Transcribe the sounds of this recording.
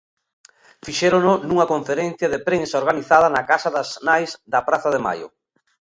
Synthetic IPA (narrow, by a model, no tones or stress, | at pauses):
fiʃɛɾononuŋɐkoɱfeɾen̟θjɐðepɾensaoɾɣaniθað̞ɐnɐkasaðɐznajzd̪ɐpɾaθɐðema̰jʊ̰